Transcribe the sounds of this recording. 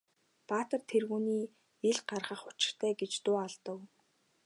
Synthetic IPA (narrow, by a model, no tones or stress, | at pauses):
paːt̪ə̆rt̪ʰerɣuːniː | eɮɢarχə̆χʊt͡ɕɪ̥̆r̥t̪ʰæːɡet͡ɕt̪ʊːaɮt̪ə̆w